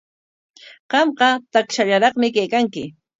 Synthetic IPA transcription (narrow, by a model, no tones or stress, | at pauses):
ɢ̥ɑmɢɑt̪akʃaʎaɾɑχmɪkajkaŋkɪ